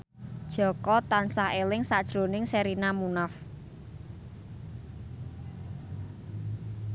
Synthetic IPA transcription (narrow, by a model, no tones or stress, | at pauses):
d̥ʒ̥ɔ̤kɔt̪ansahelɪŋsad̥ʒ̥ɾo̤nɪŋseɾinamunaf